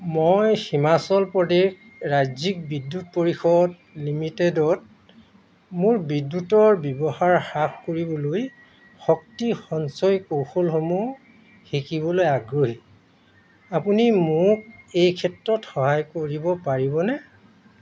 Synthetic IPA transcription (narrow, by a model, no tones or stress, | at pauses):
mojximasɔlpɹɔdex | ɹazik̚bidːut̚poɹixɔd | limitedɔt̚ | mʊɹbidːutɔɹbɔbɔhaɹxakkoɹibɔloj | xɔktixɔnsɔjkowxolxomu | xikibɔlojaɡɹoɦi | apunimʊk̚ejkʰɛtɹɔtxɔɦajkoɹibɔpaɹibɔnɛ